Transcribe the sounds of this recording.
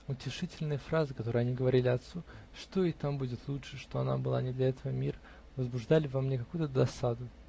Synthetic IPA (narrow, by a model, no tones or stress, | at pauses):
ʊtʲɪʂɨtʲɪlʲnɨjəfɾazɨkɐt̪o̞ɾɨjɐnʲiɡəvɐɾʲilʲɪɐt̪su | ʂt̪o̞it̪ambudʲɪt̪lˠutʂɨʂt̪o̞ɐna̰bɨlˠa̰nʲɪd̪lʲɐɛt̪əvəmʲirə | vəzbʊʐd̪alʲɪvamnʲekɐkujʊt̪əd̪ɐsad̪ʊ